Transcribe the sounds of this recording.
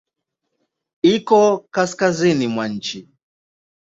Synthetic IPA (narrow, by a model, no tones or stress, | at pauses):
ikɔkaskazinimwaɲ̩t͡ʃi